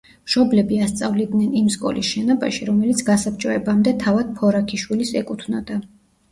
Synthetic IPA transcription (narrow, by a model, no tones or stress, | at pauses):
mʃɔblɛbiast̪sʼavlid̪nɛnimskʼɔ̰lisʃɛnɔba̰ʃiɾɔmɛlit̪sʰɡasap̚t͡ʃʼɔɛbamd̪ɛt̪ʰavad̪̥̚pʰɔɾakʰiʃwilisɛkʼut̪ʰnad̪a